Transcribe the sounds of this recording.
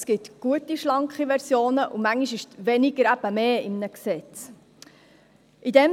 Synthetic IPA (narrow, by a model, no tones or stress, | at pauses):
sɡ̥ɪt̪ɡ̥uətiʃlɑŋkχiʋɛɾsjoːnəʔumæŋiʃɪʃʋɛnɪɡ̥əɾæb̥əmeːɪmnəksɛt͡s | ʔidɛm